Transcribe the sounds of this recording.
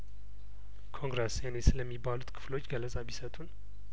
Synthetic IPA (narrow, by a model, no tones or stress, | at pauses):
kʰo̞ŋɡɾesenesɨləmːibːalut̪kʰɨ̥flo̞t͡ʃːɡələsʼaβisət̪ʼun